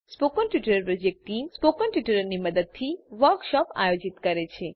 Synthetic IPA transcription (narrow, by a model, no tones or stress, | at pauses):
spokənʈʋɪʈəɾəɾpɾɔd͡ʒek̚ʈʈːimspokənʈʋiʈəɾəɾniməd̪əd̪̚t̪ʰiʋəɾkʃɔpa̰jod͡ʒit̪kəɾet͡ʃʰe